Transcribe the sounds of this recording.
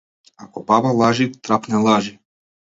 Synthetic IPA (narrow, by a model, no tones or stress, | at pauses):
akɔbabalˠaʒit̪ɾapnɛlˠaʒi